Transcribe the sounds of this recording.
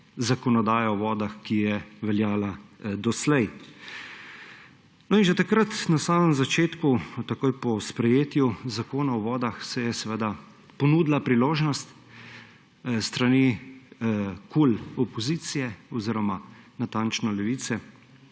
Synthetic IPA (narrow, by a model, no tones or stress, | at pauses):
zakɔnɔd̪aːjaɔʋɔːd̪axkijɛʋɛljaːlad̪ɔslɛj | nɔinʒɛt̪akɾat̪nasaːməmzat͡ʃeːt̪kut̪akoːjpɔspɾɛjeːt̪juzakoːnaɔʋɔːd̪axsɛjɛsɛʋed̪a | pɔnuːd̪lapɾiloːʒnɔst̪ | st̪ɾani | kulɔpɔziːt̪sijɛɔziɾɔmanat̪aːnt͡ʃnɔlɛʋiːt̪sɛ